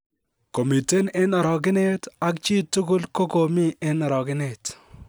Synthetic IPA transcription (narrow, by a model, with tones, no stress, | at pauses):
ko˨mi˨te˦ne˦na˨ɾɔ˨k̬ɪ˦ne˦ta˦kt͡ʃi˦tːʊ˦kʊ˦lko˦ko˨mi˦e˦na˨ɾɔ˨kɪ˦ne˦˨t